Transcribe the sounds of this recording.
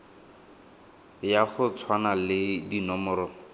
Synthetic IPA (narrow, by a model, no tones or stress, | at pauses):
jaχʊt͡sʰwanalɪdinɔmɔːɾɔ